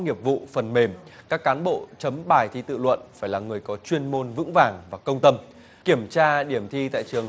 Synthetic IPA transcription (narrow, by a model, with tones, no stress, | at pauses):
ŋi˨˩əp̚vṵ˧˨fə˨˩nme˨˩mkaː˦˥kːaː˨˦nɓo̰˧˨t͡ɕə˨˦mɓaː˨˩jt̪ʰi˧t̪ɨ̰˧˨lwə̰˧˨nfaː˧˩jlaː˨˩ŋɨ˨˩əjkɔ˨˦t͡ɕwi˧ənmo˧nvɨ̰˧˥ŋvaː˨˩ŋvaː˨˩kə˧wŋ͡mt̪ə˧m | ki˧˩əmt͡ɕaː˧ɗi˧˩əmt̪ʰi˧t̪a̰ː˧˨jt͡ɕɨ˨˩əŋ